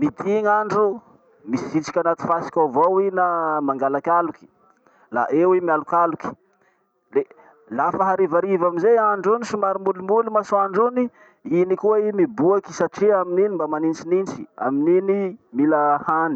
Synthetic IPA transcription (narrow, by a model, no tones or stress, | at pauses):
mid̪iŋaɳɖ͡ʐu | misiit͡si̥kʲanat̪i̥fasi̥kʲavowinamaŋɡalakʲaluki̥ | la̰ʔewimialukaluki̥ | le | lafəɦaɾivaɾivamizeaɳɖ͡ʐunisumaɾimbulumbulumasuaɳɖ͡ʐuni | inikuaimibuaki̥saʈ͡ʂiamininimbamanint͡sinint͡si̥a̰mininimilahani̥